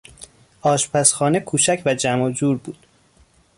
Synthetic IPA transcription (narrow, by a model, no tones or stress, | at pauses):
ʔɒːʃpʰæsxɒːnekʰuːt͡ʃʰæcʰvæd͡ʒæmod͡ʒuːɾbuːd̪̥